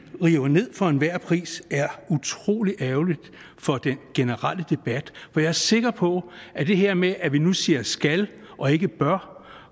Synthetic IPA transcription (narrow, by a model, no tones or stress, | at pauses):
ʁiːʊɐne̝ð̞̰ˠfɒ̽e̝nʋæɐ̰pʰʁḭːsæɐut͡sʰʁo̝̰ːliʔæʊlid̥ | fɒ̽d̥enɡ̥e̝nəʁaləd̥e̝b̥æd̥fɒ̽jɑ̈æɐse̝ɡ̥ɐpʰɒ̽ʔæd̥e̝ɦeɐ̰meʔæʋinusiɐsɡ̥æl | ʔɒ̽e̝ɡ̥əb̥ɶɐ